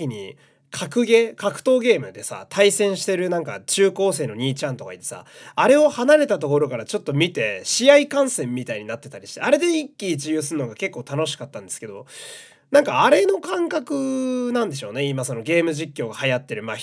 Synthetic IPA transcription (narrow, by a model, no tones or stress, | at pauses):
iɲ̟ḭ | kʰakɯ̟ɡe̞kakɯ̟̥t̪o̞ːɡe̞ːmɯ̟d̪e̞sa̰t̪ʰaisẽ̞ɰ̃ɕi̥t̪e̞ɾɯ̟nãŋka̰t͡ɕɨːko̞ːse̞ːno̞ɲ̟iːt͡ɕãnt̪o̞kait̪ːe̞̥sa̰aɾe̞o̞hanaɾe̞t̪at̪o̞ko̞ɾo̞kaɾat͡ɕo̞t̪ːo̞mʲit̪e̞ɕiaikãɰ̃sẽ̞mːʲit̪aiɲ̟inat̪ːe̞t̪aɾʲiɕi̥t̪ḛaɾe̞d̪e̞ikʲːiːt͡ɕijoːs̬ɨɯ̟noɡake̞kːo̞ːt̪ano̞ɕi̥kat̪ːãnd̪e̞sɨ̥ke̞d̪o̞ | nãŋkaːɾe̞no̞kãŋkakɯ̟nãnd̪e̞ɕo̞ːne̞imaso̞no̞ɡe̞ːmɯ̟ʑikʲːo̞ːɡahajat̪ːe̞ɾɯ̟maː